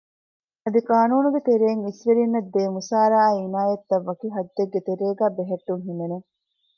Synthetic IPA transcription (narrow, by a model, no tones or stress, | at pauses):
ɐd̪ikaːnuːnuɡet̪eɾeːŋisʋeɾinːɐd̪ːeːmusaːɾaːinaːjɐt̪ːɐʋːɐkiɦɐd̪ːeɡːet̪eɾeːɡæːbeɦɐʈːuŋɦinene